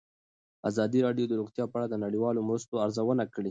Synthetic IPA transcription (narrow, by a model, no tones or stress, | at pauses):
a̰zɑd̪iɾɑɖjod̪əɾuɣt̪jɑpəaɽad̪ənaɽiwɑlomɾəst̪oaɾzawənakɽi